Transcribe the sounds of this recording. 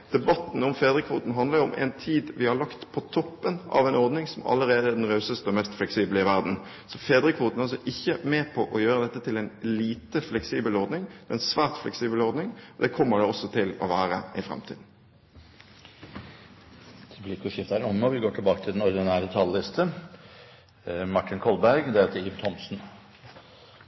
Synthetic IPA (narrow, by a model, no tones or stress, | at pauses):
d̪̥ɛbɑt̪ːn̩ʊmfeːd̪ɾəkʰʋuːt̪n̩ɦɑnd̪ləɾɾɔmʔɛ̰nt̪ʰiːd̪ʋɪhɑɭɑkt̪pʰɔt̪ʰɔpːənɑ̰ʋɛɪnɔɾd̪nɪŋsɔmɑ̰lːəɾeːd̪əæʁɖ̪ɛnʁɑʉsəst̪əɔmɛst̪flɛksiːbələɪʋæʁd̪n̩ | sɔfeːd̪ɾəkʰʋuːt̪n̩ɑls̬ɔʔɪçːəmeːpʰɔʔɔjøːɾəd̪ɛt̪ːət̪ʰɪlɛnliːt̪əflɛksiːbəlɔɾd̪nɪŋd̪ɛnsʋæːʁt̪flɛ̰ksiːbəlɔɾd̪nɪŋɔd̪ɛːkʰɔmːəɖɛɔsːɔt̪ʰɪlɔ̰ʋæːʁə̰ɪfʁɑ̰mt̪ʰḭːd̪n̩ | d̪̥ɛblɪkʰːʊʂɪft̪ɑæɾɔnːɔʋɪɡoːʈʰɪlbɑːkət̪ʰɪld̪ɛnɔɾd̪ɪnæːɾɛt̪ʰɑllɪst̪ʰə | mɑʈʰːɪnkʰɔlbæɾɡd̪ɛːt̪əiːʋt̪ʰɔmsn̩